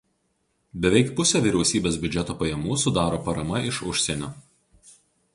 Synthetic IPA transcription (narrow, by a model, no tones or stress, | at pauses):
bʲɛʋʲɛɪkpʊsʲoːʋʲiːɾʲɛʊsʲiːbʲeːsbʲʊd͡ʒʲɛt̪oːpɐjɛmuːsʊd̪ɑːɾoːpɐɾɐmɐɪʃʊʃʲsʲeːnʲoː